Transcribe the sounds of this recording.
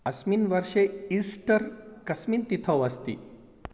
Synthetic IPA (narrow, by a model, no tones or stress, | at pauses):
ɐsminʋɐɾʃeisʈəɾkɐsmiːnt̪it̪ʰoʋɐst̪ḭː